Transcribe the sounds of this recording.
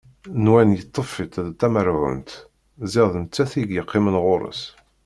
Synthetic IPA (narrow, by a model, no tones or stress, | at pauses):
nwænjət̪ˤːəfit̪ˤðt̪ːæməɾʕʊ̰nt̪ | zɪðˤənt͡sːæθiɡjəqːɪmənʁʊɾˤə̰s